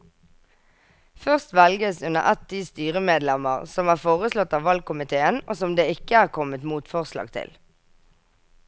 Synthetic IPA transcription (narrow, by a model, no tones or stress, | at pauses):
fœʁst̪ʋɛlɡəsʉnə̰ʁʔɛt̪̚d̪iːst̪yːʁəmeːd̪lɛməʁsɔmæːʁfoːʁəslɔt̪ːɑːʋɑlɡ̚kʰʊmɪt̪ʰeːənʔoːsɔmd̪eːɪkəæːʁkʰɔmət̪muːt̪fɔʁslɑ̰ːɡt̪ʰɪ̰l